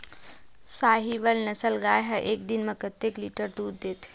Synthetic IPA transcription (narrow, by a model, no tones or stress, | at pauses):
saːɦiʋəlnɐsəlɡaːjɦɐʔeːk̚d̪inmɐ̃kət̪ːekliːʈəɾʈ̪uːd̚d̪eːt̪ʰ